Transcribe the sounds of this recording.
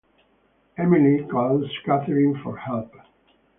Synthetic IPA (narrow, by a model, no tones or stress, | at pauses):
ɛmɪlikʰɔlskætəɹɪ̃ŋfɔɹhɛlp